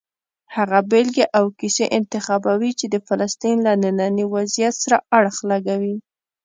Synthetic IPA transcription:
haɣabelɡeʔawkiseʔɪnt̪ɪxɑbawit͡ʃed̪əfalast̪inlanənɑniwazijat̪saɾaaɽxlaɡawi

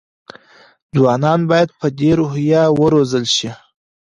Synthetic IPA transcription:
d͡zwɑnɑnbɑjad̪̚pəd̪eɾohjɑwəɾozəlʃi

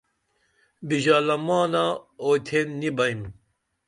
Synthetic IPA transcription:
biʒaːlɐmaːnaoːt̪ʰenːibɐjm

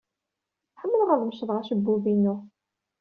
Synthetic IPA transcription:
ħəmːəlʁəlˤmʃəðˤʁæʃəbːuvinu

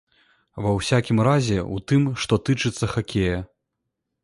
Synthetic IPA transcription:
vɐwsʲakʲimɾazʲɛut̪ɨmʂt̪ɔt̪ɨt͡ʂɨt̪sːɐxakʲejɐ

